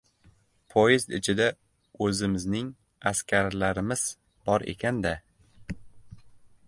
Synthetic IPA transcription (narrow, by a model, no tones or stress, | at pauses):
pʰojɪzt̪ɪt͡ʃʰɪd̪a | ɵzɪmɪznɪŋ | askʲʰaɾlaɾɪmɪz̥ | b̥ɒɾʔe̞̰kʲʰand̪a